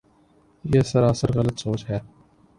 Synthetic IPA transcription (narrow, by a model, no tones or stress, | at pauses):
jeːsɐɾaːsəɾɣɐlət̪soːt͡ʃɦɛː